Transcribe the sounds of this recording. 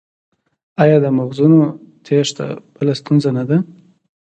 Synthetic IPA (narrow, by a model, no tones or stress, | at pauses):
ajɑd̪əmaɣzunot̪ʰeʂt̪a̰b̥əlast̪unzanad̪a